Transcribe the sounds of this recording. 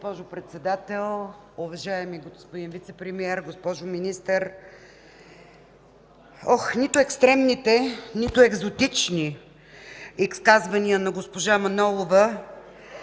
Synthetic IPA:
ospɔʒʊpɾɛt̪sɛd̪at̪ɛlˠ | ʊvɐʒaɛmiɡospod̪invit̪sɛpɾɛmiɛɾɡospɔʒʊminist̪əɾ | ɔxnit̪ʊɛkst̪ɾɛmnit̪ɛnit̪ʊɛɡzot̪it͡ʃni | iskazvɐniənɐɡospoʒamɐnɔlˠovə

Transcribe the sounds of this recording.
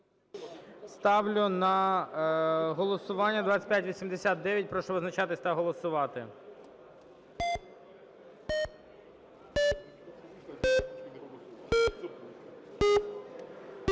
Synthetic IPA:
st̪ɑʋlʲʊnɐ | ɦɔlˠɔsʊʋɑnʲːɐd̪ʋɑt͡sʲɐ̥t̚ʲpʲjatʲʋʲisʲimd̪esʲat̪̚d̪ɛjɐt̚ʲpɾɔʃɔʋɔznɐt͡ʃɑt̪ɪsʲt̪ɐɦɔlˠɔsʊʋɑt̪ɪ̰

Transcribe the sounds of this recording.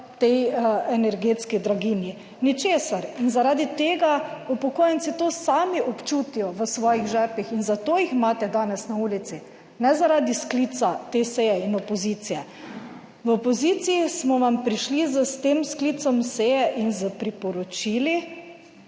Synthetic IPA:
t̪ɛjɛnɛɾɡeːt̪skid̪ɾaɡiːnji | nit͡ʃeːsaɾinzaɾaːd̪it̪eːɡaupɔkoːjɛnt̪sit̪oːsaːmiʔɔpt͡ʃuːt̪ijɔʋəsʋɔːjiɣʒɛpixinzat̪oːjixmaːt̪ɛd̪aːnɛsnauːlit̪si | nɛzaɾaːd̪isklit̪sat̪eːsejɛinɔpɔziːt̪sijɛ | ʋɔpɔziːt̪siismɔʋampɾiʃlizəst̪eːmskliːt̪sɔmseːjɛʔinzəpɾipɔɾɔt͡ʃiːli

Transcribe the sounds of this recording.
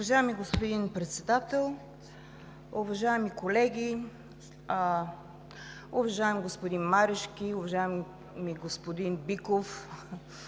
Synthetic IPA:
ʊvɐʒajɛmiɡospod̪inpɾɛt̪sɛd̪at̪ɛlˠ | ʊvɐʒaɛmikolɛɡʲi | ʊvɐʒaɛmɡospod̪inmaɾɛʃkʲiʊvɐʒaɛm | miɡospod̪inbikof

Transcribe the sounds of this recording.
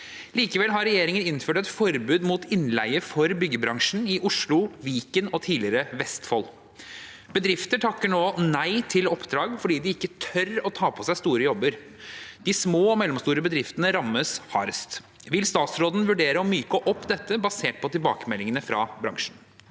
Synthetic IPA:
liːkəʋɛlɦɑɾɛjeːɾɪŋənɪnføːʈɛt̪fɔɾbʉːd̪muːt̪ʰɪnlæɪəfɔɾbʏɡːəbɾɑŋʂn̩ɪʔʊʂlʊʋiːkənɔt̪ʰiːlɪəɾəʋɛst̪fɔl | b̥əd̪ɾɪft̪əʈʰɑkːəɳoːnæɪt̪ʰɪlɔpːd̪ɾɑːɡfɔɖiːd̪ɪɪkːət̪ʰœɾɔt̪ʰɑːpʰɔsæɪst̪uːɾəjɔbːəɾ | d̪ɪsmoːɔmɛlːɔmst̪uːɾəbəd̪ɾɪft̪ənəɾɑmːəshɑɾst̪ | ʋɪlst̪ɑːt̪sɾoːd̪n̩ʋʉɖeːɾəɔmyːkəʔɔpːd̪ɛt̪ːəbɑseːʈ̚pʰɔt̪ɪlbɑ̰ːkəmɛlːɪŋənəfɾɑ̰bɾɑ̰ŋʂn̩

